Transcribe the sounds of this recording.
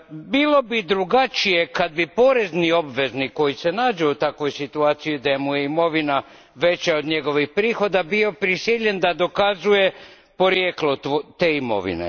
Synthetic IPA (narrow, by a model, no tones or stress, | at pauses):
bilo̞bid̪ɾuɡat͡ʃije̞kad̪̚bipo̞ɾe̞znio̞bʋe̞zniko̞jise̞naːd͡ʒeut̪akʋo̞jsit̪uaːt̪sijud̪aje̞muje̞imo̞ʋina | ʋe̞t͡ɕeo̞d̪ɲe̞ɡo̞ʋixpɾiːxo̞d̪abio̞pɾisiʎe̞nd̪ad̪o̞kazuje̞ | po̞ɾjeːklot̪ot̪e̞ːimo̞̰ʋḭnḛ